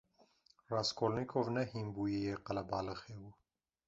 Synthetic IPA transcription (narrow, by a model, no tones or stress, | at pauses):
raːskʰolnikʰovnɛhimbuːjejeqɐlɐbɑːlɨxewu